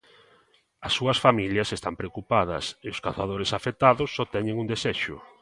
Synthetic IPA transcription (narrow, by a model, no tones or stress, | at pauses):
ɐsːuɐsfamiljɐsest̪ampɾeokupað̞ɐ̰seʊskaθað̞oɾesafet̪aðʊsːɔt̪ɛɲeŋund̪eseʃʊ